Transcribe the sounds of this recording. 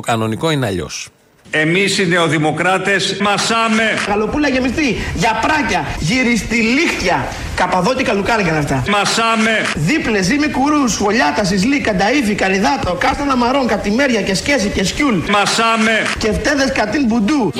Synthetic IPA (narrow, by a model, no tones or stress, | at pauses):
okɐno̞niko̞ineɐ̰ʎo̞̰s | e̞misineoðimo̞kɾɐt̪esmɐsɐmeɣɐlo̞pulɐʝe̞mist̪iʝɐpɾɐcɐʝiɾist̪ilixt̪çɐ | kɐpɐðo̞t̪ikɐlukɐɾiŋɡɐnɐft̪ɐmɐsɐmeðiple̞z̬imekuɾusɣo̞ʎɐt̪ɐs̬izlikɐd̪ɐifikɐɾiðɐt̪okɐst̪ɐðɐmɐɾo̞ŋkɐt̪ime̞ɾʝɐce̞sce̞sice̞sculmɐsɐmece̞ft̪e̞ðe̞skɐt̪inbud̪u